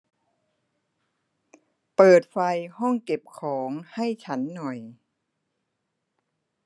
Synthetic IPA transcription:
pɤː˨˩t̪̚fa˧jhɔ˥˩ŋke˨˩p̚kʰɔː˩˦ŋha˥˩jt͡ɕʰa˦˥nːɔ˨˩j

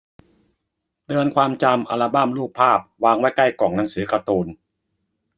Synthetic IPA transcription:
t̪ɯ˧ənkʰwaː˧mt͡ɕa˧mʔa̰˧la˧baː˥˩mluː˥˩pʰːaː˥˩p̚waː˧ŋwa˥˩jka˥˩jkɔː˨˩ŋna˩˦ŋsɯː˩˦ka˧t̪uː˧n

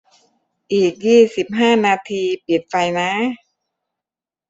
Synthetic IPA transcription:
ʔiː˨˩k̚jiː˥˩si˨˩p̚ɦaː˥˩naː˧t̪ʰiː˧pi˨˩t̪̚fa˧jna˦˥

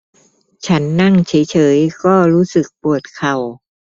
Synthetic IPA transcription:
t͡ɕʰa˦˥nːa˥˩ŋt͡ɕʰaː˩˦jt͡ɕʰɤː˩˦jkɔː˥˩ɾuː˦˥sɯ˨˩k̚pu˨˩ət̪̚kʰa˨˩w

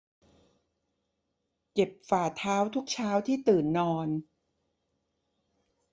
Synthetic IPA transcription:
ke˨˩p̚faː˨˩t̪ʰaː˦˥wt̪ʰu˦˥k̚t͡ɕʰaː˦˥wt̪ʰiː˥˩t̪ɯː˨˩nːɔː˧n

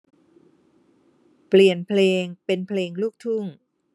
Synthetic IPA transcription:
pli˨˩ənpʰleː˧ŋpe˧npʰleː˧ŋluː˥˩k̚t̪ʰu˥˩ŋ

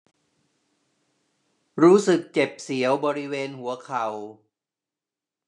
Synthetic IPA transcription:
ɾuː˦˥sɯ˨˩k̚t͡ɕe˨˩p̚si˩˦əwbɔː˧ɾi˦˥weː˧nhu˩˦ɐkʰa˨˩w

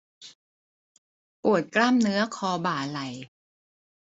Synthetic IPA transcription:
ʔu˨˩ət̪̚klaː˥˩mnɯ˦˥ɐkʰɔː˧baː˨˩la˨˩j

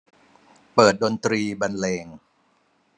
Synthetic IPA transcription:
pɤː˨˩t̪̚do˧nt̪ɾiː˧ba˧nleː˧ŋ

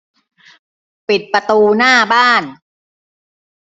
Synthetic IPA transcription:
pi˨˩t̪̚pɾa˧t̪uː˧naː˥˩baː˥˩n

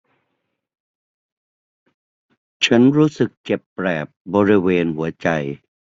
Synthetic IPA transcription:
t͡ɕʰa˦˥nɾuː˦˥sɯ˨˩k̚t͡ɕe˨˩pːɾɛː˨˩p̚bɔː˧ɾi˦˥weː˧nhu˩˦ɐt͡ɕa˧j

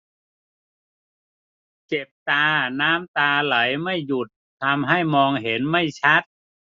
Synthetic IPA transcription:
t͡ɕe˨˩p̚t̪aː˧naː˦˥mt̪aː˧la˩˦jma˥˩jːu˨˩t̪ʰːa˧mɦa˥˩jmɔː˧ŋɦe˩˦nma˥˩jt͡ɕʰa˦˥t̪̚

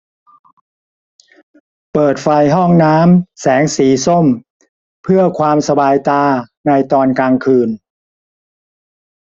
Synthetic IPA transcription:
pɤː˨˩t̪̚fa˧jɦɔ˥˩ŋnaː˦˥msɛː˩˦ŋsiː˩˦so˥˩m | pʰɯ˥˩ɐkʰwaː˧msa˧baː˧jt̪aː˧na˧jt̪ɔː˧nkaː˧ŋkʰɯː˧n

